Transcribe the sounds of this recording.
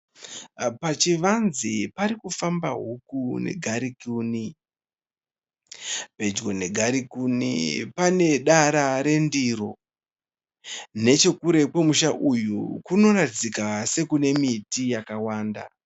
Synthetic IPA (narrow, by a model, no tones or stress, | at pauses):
pat͡ʃiʋanzipaɾikufambaɦukune̞̰ɡʱaɾikuːni | pe̞d͡ʒɡo̞ne̞ɡʱaɾikunḭpane̞ɗaɾaɾe̞ndiɾo̞̰ | ne̞t͡ʃe̞kuɾe̞kwe̞muʃaʔujukuno̞ratid͡zikase̞kune̞mitijakawaːnda̰